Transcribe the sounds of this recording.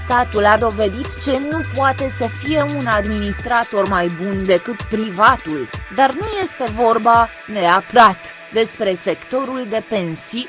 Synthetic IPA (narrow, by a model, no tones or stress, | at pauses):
st̪at̪ulad̪o̞ve̞d̪it̪t͡ʃe̞nupwat̪e̞səfije̞unad̪minist̪ɾat̪o̞rmajbund̪e̞kɨt̪pɾivat̪uld̪arnuje̞st̪e̞vo̞rba | ne̞apɾat̪ | d̪e̞spɾe̞se̞kt̪o̞ɾuld̪e̞pe̞nsi